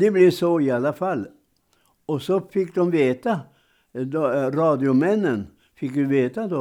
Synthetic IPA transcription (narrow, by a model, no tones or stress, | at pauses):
d̪ɛblɪʂɔɪalːafalː | ɔsɔfɪkːd̪ɔmveːt̪a | d̪ɔɾɑːd̪ɪʊmɛnːən | fɪkːd̪ʉveːt̪ad̪ɔ